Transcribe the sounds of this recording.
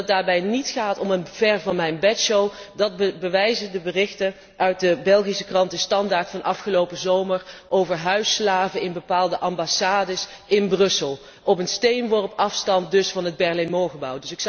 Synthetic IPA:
daːɹbɛjnitχaːtɔmənv̥ɛɹvɑnmɛjnbɛtʃowdɑt̚bəʋɛjzədəbərɪxtə | ʔœɥt̚dəbɛlˠχisəkrɑntəstɑndaːɹtfɑnʔɑfχəlowpəzowmərʔowvəɹɦœɥslaːvəɪnbəpaːlˠdəʔɑmbasaːdəsɪnbrɵsəlˠ | ʔɔpənstejnʋɔɹpɑfstɑnt̚dɵsfɑnɦəd̚bɛɹlemoːχəbɑwdɵsɪks

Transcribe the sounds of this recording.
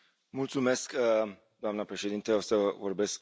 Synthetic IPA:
mult̪sume̞sk | d̪oamnəpɾe̞ʃed̪int̪əosəvo̞rbe̞sk

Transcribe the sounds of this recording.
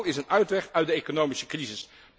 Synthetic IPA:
ɪsənœɥtʋɛχœɥtdəejkonowmisəkrizɪs

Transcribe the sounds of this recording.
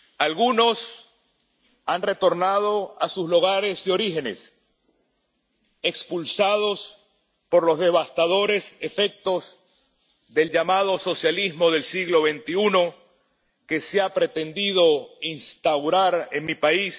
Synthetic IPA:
alɣuno̞s | anre̞t̪o̞ɾnað̞oasusluɣ̞aɾe̞zðeo̞ɾixe̞ne̞̰s | e̞kspulsað̞o̞s | po̞ɾlo̞zðe̞β̞ast̪aðo̞ɾe̞se̞fe̞k̚t̪o̞z | ðe̞ld͡ʒamað̞o̞so̞sjalizmo̞ð̞e̞lsiɣlo̞βe̞nt̪iuno̞ | ke̞seapɾe̞t̪e̞nd̪iðo̞inst̪awɾaɾenmipais

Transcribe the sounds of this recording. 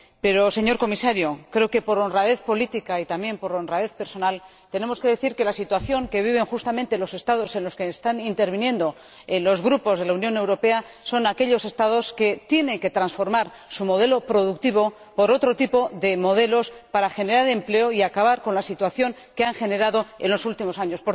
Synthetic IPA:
pe̞ɾo̞se̞ɲo̞ɾko̞misaɾjokɾe̞oke̞po̞ɾo̞nraðe̞θpo̞lit̪ikait̪amje̞mpo̞ɾo̞nraðe̞θpe̞ɾso̞nal | t̪e̞ne̞moske̞ð̞e̞θiɾke̞lasit̪waθjo̞ŋke̞β̞iβ̞e̞ŋxust̪amẽnt̪e̞lo̞se̞st̪að̞o̞se̞nlo̞skeːst̪anint̪e̞ɾβ̞inje̞nd̪o̞ | enlo̞zɣɾupo̞zð̞e̞launjõ̞ne̞wɾo̞pe̞a | so̞nake̞ʎo̞se̞st̪aðo̞ske̞t̪je̞nẽ̞ŋke̞t̪ɾansfo̞ɾmaɾ | sumo̞ð̞e̞lo̞pɾo̞ð̞uk̚t̪iβ̞o̞ | po̞ɾo̞t̪ɾo̞t̪ipo̞ðe̞mo̞ð̞e̞lo̞spaɾaxe̞ne̞ɾaɾe̞mple̞oiakaβaɾko̞nlasit̪waθjo̞ŋ | ke̞aŋxe̞ne̞ɾaðo̞e̞̰nlo̞sult̪imo̞saɲo̞spoɾ

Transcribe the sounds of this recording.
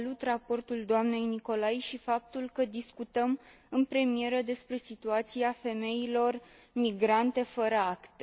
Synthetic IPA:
lut̪rapo̞rt̪uld̪oamne̞jniko̞lajʃifap̚t̪ulkəd̪iskut̪əm | ɨnpɾe̞mie̞ɾəd̪e̞spɾe̞sit̪uat̪siafe̞me̞jilo̞r | miɡɾant̪e̞fəɾəakt̪e

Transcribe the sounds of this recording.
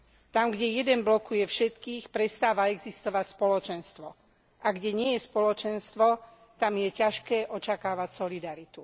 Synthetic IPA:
t̪amɡɟɛjɛd̪ɛnblɔkujɛfʃɛt̪kiːxpɾɛst̪aːʋaɛɡzist̪ɔʋacspɔlɔt͡ʃɛnst̪ʋɔ | ʔaɡɟɛɲɪɛjɛspɔlɔt͡ʃɛnst̪ʋɔ | t̪amjɛcaʃkɛːʔɔt͡ʃakaːʋacsɔlid̪aɾit̪u

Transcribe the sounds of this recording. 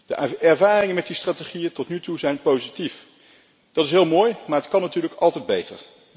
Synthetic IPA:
d̥əɛɹvaːrɪŋəmɛt̚distraːteχijətɔtnytuzɛjnpowzitif | d̥ɑtɪs̬ɦɪːlˠmoːjmaːɹɦətkɑnːatyːɹləkɑlˠtɛjd̚bejtə̰ɹ

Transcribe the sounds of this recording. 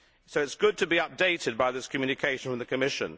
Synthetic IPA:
soʊɨtsɡ̥ʊd̚tʰɨbiʌp̚d̥eɪtɪd̚baɪðɪskʰmjʉnɨkʰeɪʃə̃nɹə̃mðɨkʰəmɪʃə̰̃n

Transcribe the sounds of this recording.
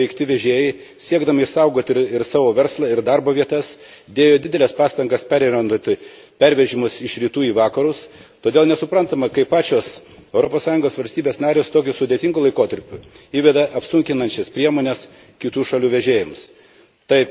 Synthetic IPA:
ʋʲɛɪkt̪ʲɪʋʲɛʒʲeːjɛɪ | sʲiɛɡd̪ɐmɐɪʃsɐʊɡoːt̪ʲɪɾɪɾsɑːʋoːʋʲɛɾslˠɐɪɾd̪ɐɾboːʋʲiɛt̪ɐs | d̪ʲeːjoːd̪ʲɪd̪ʲɛlʲɛspɑːst̪ɐŋɡɐspʲɛɾʲɛnʲont̪ʲɪ | pʲɛɾʲʋʲɛʒʲɪmʊsɪʃɾʲiːt̪uːiːʋɑːkɐɾʊst̪oːd̪eːlˠnʲɛsʊpɾɐnt̪ɐmɐkɐɪpːɑːt͡ʃʲoːsɛʊɾopoːssɑːjʊŋɡoːsʋɐlʲsʲt̪ʲiːbʲeːsnɑːɾʲeːst̪oːkʲʊsʊd̪ʲeːt̪ʲɪŋɡʊːlˠɐɪkoːt̪ɐɾʲpʲʊiːʋʲɛd̪ɐʔɐpsʊŋʲkʲɪnɐnʲt͡ʃʲɛspʲɾʲiɛmoːnʲɛs | kʲɪt̪uːʃɐlʲuːʋʲɛʒʲeːjɪms | t̪ɐɪp

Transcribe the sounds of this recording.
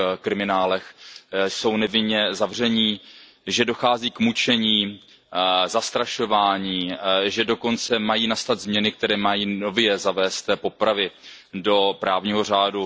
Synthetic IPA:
kɾɪmɪnaːlɛxso̞wnɛvɪnɲɛzavr̝ɛɲiː | ʒɛdo̞xaːziːkmut͡ʃɛɲiː | zast̪ɾaʃo̞vaːɲiːʒɛdo̞ko̞nt͡sɛmajiːnast̪ad̪zmɲɛnɪkt̪ɛɾɛːmajiːno̞vjɛzavɛːst̪po̞pɾavɪ | do̞pɾaːvɲiːɦo̞r̝aːdu

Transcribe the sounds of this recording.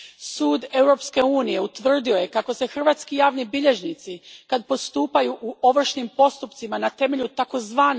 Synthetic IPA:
suːd̪e̞wɾo̞pske̞uːnije̞ut̪ʋr̩d̪io̞je̞kako̞se̞xr̩ʋaːt̪skijaːʋnibiʎe̞ʒnit̪sikad̪̚po̞st̪uːpajuʔuʔo̞ʋr̩ʃnimpo̞st̪upt̪simanat̪e̞me̞ʎut̪ako̞zʋaːn

